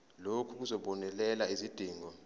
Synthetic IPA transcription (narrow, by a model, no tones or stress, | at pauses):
lokʰuk̬uzɔɓɔnɛlɛlaizid̥ʱiːŋɔ